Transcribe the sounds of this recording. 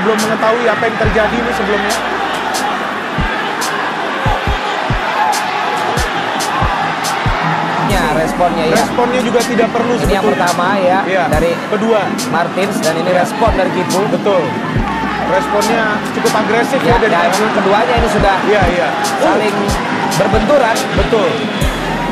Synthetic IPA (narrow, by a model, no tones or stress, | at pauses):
əbəlʊmːəŋət̪aɦuiapajaŋt̪ərd͡ʒadinʊsəbəlʊmɲa | ɲaɾɛspɔnɲajrɛaspɔnɲad͡ʒuɡat̪idaʔpərlusinijaŋpərt̪amajaijadaɾikədua | mart̪ɪnsdaniniɾɛspɔndaɾikipubət̪ʊl | rɛspɔnɲa | t͡ʃukʊpaɡɾesɪfjadadamemaŋkəduaɲainisudahjaija | salɪŋ | bərbənt̪uɾan | bət̪ʊl